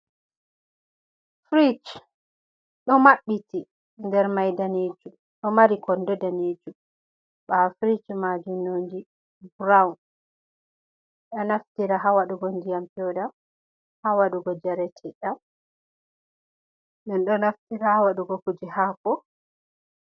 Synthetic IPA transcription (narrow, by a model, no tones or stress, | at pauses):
fɾit͡ʃ | ɗɔmaɓːiti | ndɛɾmajdaneːd͡ʒum | ɗɔmaɾikɔndɔdaneːd͡ʒum | ɓafɾit͡ʃmad͡ʒunoːndi | bɾawn | ɗɔnaftiɾaɦawaɗuɡɔndijampɔda | hawaɗuɡɔd͡ʒaɾɛtʰɛɗam | ɗɛnɗɔnaftiɾahawaɗuɡɔkud͡ʒihaːkɔ